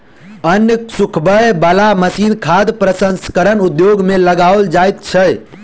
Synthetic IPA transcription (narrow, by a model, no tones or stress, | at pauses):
ənjəsukʰbəjbəlaməsinkʰad̪pɾəsə̃nskəɾənud̪joɡmeləɡaold͡ʒajt̪̚t͡ʃʰə